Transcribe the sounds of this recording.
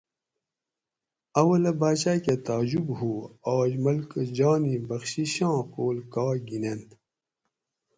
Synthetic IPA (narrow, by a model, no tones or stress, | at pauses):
ɐwɐlɐbaːt͡ɕaːket̪aːd͡ʑubɦuːaːd͡ʑmɐlkd͡ʑɑːnibɐxɕiɕɑ̃ːkoːlkaːɡinent̪